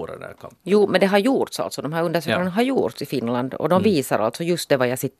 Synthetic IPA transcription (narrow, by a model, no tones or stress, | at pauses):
ɾɛ̰næ̰kʰjuːmɛnd̪ɛɦaɾjuːt̪sa̰lt̪sɔd̪ɔmɦæːɾɵnd̪æʂøːknanaɦaɾjṵːʈ̪sɪfɪnːland̪ɔ̰d̪ɔmviːsaɾʔa̰lt̪sɔjɵst̪̚d̪ɛvajasɪt̪ː